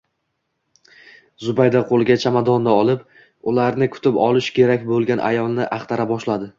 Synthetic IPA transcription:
zʊbajd̪aqʰolˠɡʲat͡ʃʰamad̪ɒnd̪aɒlˠɪp | ʊlaɾnɪkʰʊ̥t̪ʰɪpɒlˠɪʃkʲʰe̞ɾakʲbolˠɡʲanʔa̰jɒlˠnɪʔaχt̪ʰaɾabɒʃlad̪ɪ

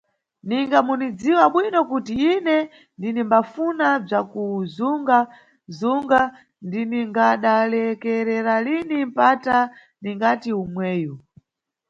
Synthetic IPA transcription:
niŋɡamunid͡ziwaɓwinɔkutiinɛ | ndinimbafunab͡ʐakuzuŋɡa | zuŋɡa | ndiniŋɡaɗalɛkɛɾɛɾalinim̩pata | niŋɡatiumwɛːju

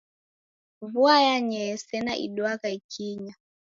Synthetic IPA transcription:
vuajaɲɛsɛnaʔḭɗwakaikʰiɲa

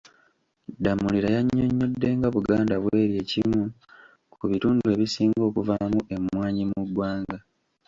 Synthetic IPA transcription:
damːuliɾajaɲːo̞ɲːodːe̞ːŋɡaβuɡaːndaβwe̞ːɾje̞ːcimu | kuβituːndue̞βisiːŋɡo̞ːkuvamuʔe̞mwaːɲimudwaːŋɡa

